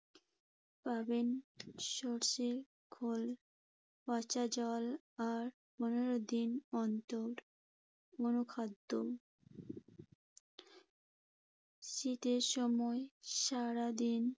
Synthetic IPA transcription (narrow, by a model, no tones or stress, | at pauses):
pabenʃoɾʃe | kʰol | pat͡ɕad͡ʑɔl | aɾ | poneɾod̪inɔnt̪oɾ | onukʰad̪ːo | ʃit̪eɾʃɔmɔeʃaɾad̪in